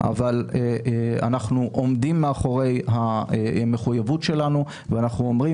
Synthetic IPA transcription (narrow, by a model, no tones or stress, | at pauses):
ʔa̰valea̰naχnuʔo̞md̪imːeaχo̞ʁe̞jɦaeme̞χujavutʃe̞lanu | veanaχnuomʁi